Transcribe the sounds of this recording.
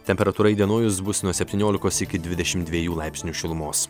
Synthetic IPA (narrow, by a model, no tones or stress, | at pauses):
t̪ʲɛmʲpʲɛɾɐt̪uːɾɐɪd̪ʲiɛnoːjʊs̬bʊsnuɔsʲɛpʲt̪ʲiːnʲoːlʲɪkoːsɪkʲɪd̪ʲʋʲɪd̪ʲɛʃʲɪmt̪d̪ʲʋʲiɛjuːlˠɑɪpʲsʲnʲuːʃʲɪlˠʊmoːs